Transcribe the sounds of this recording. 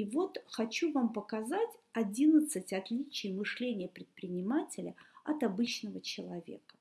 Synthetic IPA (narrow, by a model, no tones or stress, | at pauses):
ivo̞t̪xɐt͡ɕuvampəkɐzatʲɐdʲinət̪sɨtʲɐt̪lʲit͡ɕɪjmɨʂlʲenʲɪjəpɾʲɪt̪̚pɾʲɪnʲɪmatʲɪlʲəɐt̪ɐbɨt͡ɕnəvət͡ɕɪlˠɐvʲḛkə̥